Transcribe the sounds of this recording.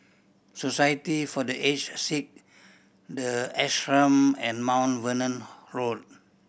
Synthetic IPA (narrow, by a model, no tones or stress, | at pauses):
sosajətifɔdəʔet͡ʃsik̚ | dəɛsɹə̃mɛ̃nmãw̃nvənə̃nɹot̚